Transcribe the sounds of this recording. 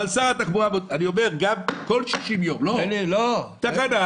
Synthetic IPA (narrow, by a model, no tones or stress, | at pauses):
alsaat̪aχbuamodaniomeʁɡamkolʃiʃimjomlolelot̪akana